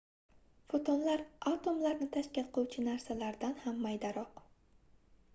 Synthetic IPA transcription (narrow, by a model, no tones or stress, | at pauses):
fot̪ʰonlaɾat̪o̞mlaɾnɪt̪ʰaʃkʲɪlqʰɨuwt͡ʃʰɪnaɾsalaɾd̪anhamːajd̪aɾɒq